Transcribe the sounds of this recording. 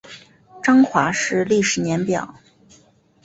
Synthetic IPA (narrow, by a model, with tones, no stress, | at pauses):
ʈ͡ʂɑ˥ŋxwa˧˥ʂɻ̩˥˧li˥˩ʂɻ̩˨˩njɛ˧˥npjɑ̰˨˩˦ʊ